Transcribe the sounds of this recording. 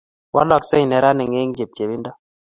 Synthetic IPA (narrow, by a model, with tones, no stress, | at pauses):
wa̰˦lɔ˦˨kse˦i˨nɛ˨ɾa˦nɛ˨ŋe˦ŋd͡ʒe˨p̚d͡ʒe˨bi˦ndɔ˦